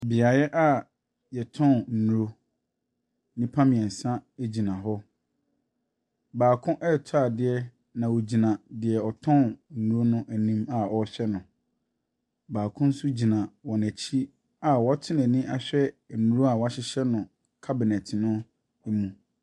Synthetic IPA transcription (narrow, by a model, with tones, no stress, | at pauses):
bɪ˨a˨jɛ˦ʔa˦˨ | jɛ˨tʰɔ̃˦˨nn̩˨nu˨ɾo˦ | nĩ˦pʰã˦mɪ̃˨ɛ̃˨n̩˨sã˦e˨d͡ʑi˨nã˨ɦɔ˦ | baː˨kʰʊ̃˦ʔɛ˦˨tʰa˨dɪ˨ɛ˦ | nã˨wo˨d͡ʑi˨nã˨dɪ˨ɛ˨ɔ˨tʰɔ̃˦˨n̩˨˦nu˦˨ɾo˦nʊ̃˦ʔæ˨nĩ˦ma˨ɔ˨ɕᶣɛ˦nʊ̃˨ | baː˨kʰʊ̃˦n̩˦sʊ˦d͡ʑi˨nã˨wɔ˨næ˨t͡ɕʰi˦ | a˨wɔ˦tʰɪ˦nɛ̃˨nĩ˦ʔa˨ɕᶣɛ˦˨ | nu˦ɾo˦a˨wɔ˨˦a˦ɕɪ˦ɕɛ˦nʊ̃˨ | kʰa˦bɪ˨nɛ˨tʰɪ˨nʊ̃˦ | e˦mũ˨